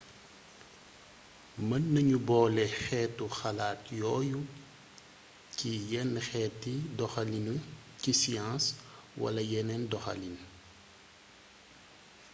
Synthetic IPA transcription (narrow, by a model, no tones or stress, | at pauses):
mɐnːɐɲubɔːlɛxɛːtːuxɐlaːtjɔːju | cijɛnːxɛːtːidɔxɐlinu | cisijãːs | wɐ̰lɐjɛnɛndɔxɐ̰lin